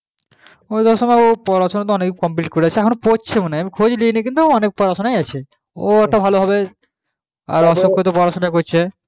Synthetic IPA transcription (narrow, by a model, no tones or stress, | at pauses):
ot̪oʃɔmaeopɔɾaʃonat̪̬oɔnekkɔmpliʈkoɾeat͡ɕʰeɛkʰonpot͡ɕʰemoneamikʰod͡ʑlinik̬int̪uɔnek̚pɔɾaʃonajat͡ɕʰe | oɛk̚ʈabʱaloɦɔbe | a̰ɾɔʃoŋkʰːot̪̬opɔɾaʃonakot͡ɕʰe